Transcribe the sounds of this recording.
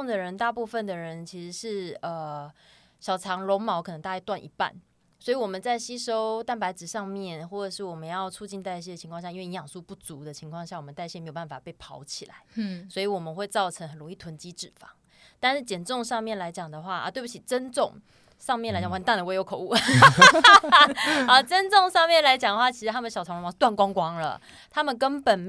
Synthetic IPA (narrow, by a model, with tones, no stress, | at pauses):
ŋd̪ə˨ɻə˧˥nt̪a˥˧pu˥˧fə˨˩nd̪ə˩ɻə˧˥nt͡ɕʰi˧˥ʂɻ̩˧˥ʂɻ̩˥˩ə˩ | ɕjɑ˨˩ʊʈ͡ʂʰɑ˧˥ŋlʊ˧˥ŋmɑ˧˥ʊk̪ʰɤ˧˦ŋt̪a˥˧˥ja˥˧t̪wa˥˩nʔḭ˧˥pa̰˥˩n | swi˨wɔ˨˩mə˨˦nt͡sa˥˩ɪɕi˥ʂo˥ʊt̪a˥˩npa˧˥ɪt͡sɻ̩˨˩ʂɑ˥˧ŋmjɛ˥˨nxwɔ˥˩ʈ͡ʂə˨˩ʂɻ̩˥˩wɔ˨˩mə˦njɑ˥˧ʊt͡sʰu˥˧t͡ɕi˥˧nt̪a˥˩ɪɕ̬jɛ˥˩də˩t͡ɕʰi˧ŋkʰwɑ˥˧ŋɕja˥˧i˥nwe˥˩n˧˥jɑ˨˩ŋsu˥˧pu˥˩t͡su˧˥˦d̪ə˨t͡ɕʰi˧˥ŋkʰwɑ˥˧ŋɕja˥˩wɔ˨˩mə˦t̪a˥˧ɪɕɛ˥˩m˧˥jo˨˩ba˥˩nfa˨˩pe˥˩ɪpʰɑ˧˥ʊt͡ɕʰi˨˩la̰˧˦ɪswɔ˧˥i˨wɔ˨˩mə˦nxwe˥˧ɪt͡sɑ˥˩ʊʈ͡ʂʰə˧ŋxə˨˩nlʊ˧˥ŋi˥˩t̪ʰwə˧˦nt͡ɕi˥ʈ͡ʂɻ̩˨˩fɑ̰˨˦ŋ | t̪a˥˧nʂɻ̩˥˩t͡ɕjɛ˨˩nʈ͡ʂʊ˥˧ŋʂɑ˥˧ŋmjɛ˥˩nla˧˥ɪt͡ɕjɑ˨˩ŋd̪ə˩˦xwa˥˩ə̰˧t̪we˥˩ɪbu˧˩t͡ɕʰi˨˩ʈ͡ʂə˦nʈ͡ʂʊ˥˨˧ŋ | ʂɑ˥˧ŋmjɛ˥˩na˧˥ɪt͡ɕɑ˨˩wa˧˥nt̪a˥˩d̪ə˨˧we˥jo˧˥ʊkʰo˨˩˦u˥˩ | a˧˥˩ʈ͡ʂə˦nʈ͡ʂʊ˥˧ŋʂɑ˥˧ŋmjɛ˥˨˩nla˧˥ɪt͡ɕjɑ˨˩ŋd̪ə˩xwa˥˩t͡ɕʰi˧˥ʂɻ̩˧t̪ʰa˥ə˨nəɕjɑ˨˩t͡sʰt̪wa˥˩nkwɑ˥ŋkwɑ˥ŋlə̰˨ | t̪ʰa˥mə˨nkə˥npə˨˩n